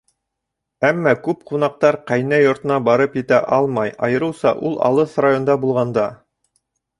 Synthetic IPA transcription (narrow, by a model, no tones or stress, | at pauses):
æmːɑkʉp̚qunɑq̚t̪ɑɾqæjnæjŏɾt̪ɤ̆nɑbɑɾɤpjɘ̆t̪æʔɑlˠmɑjɑ̰jɤ̆ɾɤwsɑ̰ʔulˠɑ̰lˠɤsrajond̪ɑbulˠʁɑnd̪ɑ